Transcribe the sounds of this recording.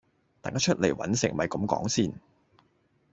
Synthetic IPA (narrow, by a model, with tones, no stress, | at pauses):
t̪aː˨ŋkaː˨˥t͡ʃʰɵ˥t̚le˨˩jwɐ̰˨˥nsɪ˨˩ŋmɐ˨jkɐ˨˧˦mkɔ̰ː˨˥ŋsiː˥˩n